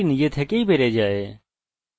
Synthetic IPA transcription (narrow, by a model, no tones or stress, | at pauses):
njeːt̪ʰeːkeiːbʱeːɾeːd͡ʒaːeː